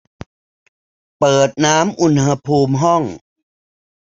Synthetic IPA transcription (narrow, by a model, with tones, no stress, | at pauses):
pɤː˨˩t̪̚naː˦˥mʔu˧nha˧pʰuː˧mɦɔ˥˩ŋ